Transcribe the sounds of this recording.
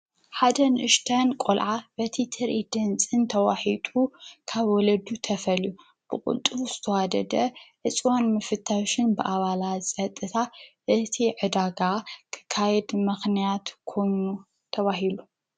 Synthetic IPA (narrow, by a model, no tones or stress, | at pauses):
ħad̪ɐnʔɨʃt̪ʰɐnkʼolʕabɐt̪ʰit̪ʰɨɾʔid̪ɨnt͡sʼɨnt̪ʰɐwaħit̪ʼukʰaβwɔlɐd̪ut̪ʰɐfɐlju | b̥ɨkʼʊ̰lt̪ʼɨz̥ɨt̪ʰɐwad̪ɐ̰d̪ɐʕɨt͡sʼwonmɨfɨt̪ʰːawʃɪnbɨʔaβalat̪t͡sʼɐt̪ʼːɨt̪ʰaʔɨt̪ʰiʕɨd̪aɡakʰɨ̥kʰːajɛd̪mɨxnijat̪kʰo̞jnu | t̪ʰɐβaɦilu